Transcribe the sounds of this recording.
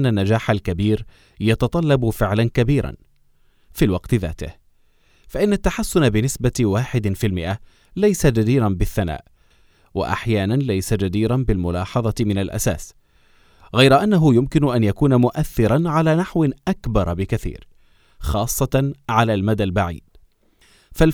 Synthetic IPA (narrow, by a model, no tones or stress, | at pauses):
nːanːad͡ʒaːħalkabiːɾ | jɑt̪ɑt̪ˤɑlːɑbʊfɪʕlankabiːɾa̰n | filwɑqt̪ɪða̰ːt̪ɪh | faʔɪnːat̪ːaħasːʊnabɪnɪsbawaːħɪd̪filmɪʔa | lajsad͡ʒad̪iːɾanbɪθːana̰ːʔ | wa̰ʔa̰ħjaːnanlajsad͡ʒad̪iːɾanbɪlmʊlɑːħɑðˤɑt̪mɪnalʔa̰saːs | ɣajɾaʔanːaɦʊjʊmkɪnʊʔanjakuːnamʊʔaθːɪɾˤanʕalaːnaħwɪʔakbɑɾˤbɪkaθḭːɾ | xɑːsˤːɑʕalaːlmad̪albaʕḭːd̪̥̚ | fal